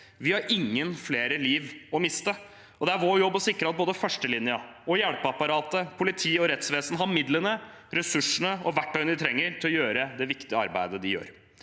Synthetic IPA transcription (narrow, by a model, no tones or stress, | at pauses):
ʋɪhɑɾʔɪŋːənfleːɾəliːʋɔmɪst̪ə | ʔɔd̪ɛæɾʋoːɾjɔbːɔsɪkːɾəɑt̪̚boːd̪əfœʂʈəlɪnɪɑɔjæɽpɑpɑɾɑːt̪əpʰʊlɪt̪ʰiːɔɾɛt̪sʋeːsənɦɑɾmɪd̪lənə | ɾɛsʉʂəɳəɔʋæʈːɑːɡənd̪ɪt̪ʰɾɛŋːəɾt̪ɪlɔjøːɾəd̪ɛʋɪkt̪ɪəɑ̰ɾbæ̰ɪd̪əd̪ɪjø̰ːɾ